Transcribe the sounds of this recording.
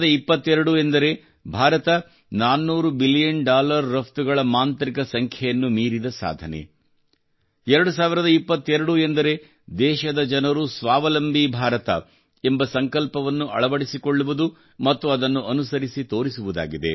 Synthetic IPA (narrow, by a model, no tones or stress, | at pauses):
d̪ɐipːɐt̪ːɛɾɐɽuend̪ɐɾe̞ | bʱaːɾɐt̪ɐ | naːnːuːɾubilijɐɳɖaːlɐɾːɐpt̪uɡɐɭɐmaːnt̪ɾikɐsɐŋkʰjɐjɐnːumiːɾid̪ɐsa̰ːd̪ʱɐnḛ | ɛɾɐɽus̬aːʋiɾɐd̪ɐipːɐt̪ːɛɾɐɽuend̪ɐɾe̞ | d̪ɛːʃɐd̪ɐd͡ʒɐnɐɾusʋaːʋɐlɐmbʱibʱaːɾɐt̪ɐ̰ | embɐsɐŋkɐlpɐʋɐnːuʔɐ̰ɭɐʋɐɽisikoɭːuʋud̪u | mɐt̪ːuɐd̪ɐnːuʔɐnusɐɾisit̪o̞ːɾisuʋud̪a̰ːɡid̪e̞̰